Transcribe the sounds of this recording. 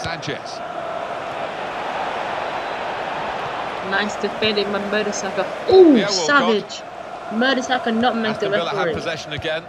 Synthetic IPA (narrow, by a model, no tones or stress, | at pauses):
ad͡ʒɛ̰s | naɪsd̥ɪfɛ̃ndɪ̃mamɜːɾəsakəosavɪd͡ʒ | mɜːɾəsakənət̚meɪk̚ðəɹɛkɹipəzɛʃə̃nəɡɛ̃n